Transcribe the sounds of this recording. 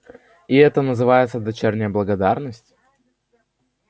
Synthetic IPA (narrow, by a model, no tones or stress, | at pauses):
ɪɛt̪ənəzɨvajɪt̪səd̪ɐt͡ɕernʲɪjəblˠəɡɐd̪arnəsʲtʲ